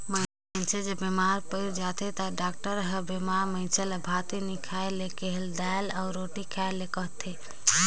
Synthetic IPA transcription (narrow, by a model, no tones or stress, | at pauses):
mə̃ | nt͡ʃʰed͡ʒebemaːɾpəjud͡ʒaːt̪ʰet̪aɖaːk̚ʈəɾɦəbemaːɾmə̃t͡ʃʰelɐbʱaːt̪inikʰaelekeɦeld̪alaʊɾoːʈikʰaːjlekəɦt̪ʰe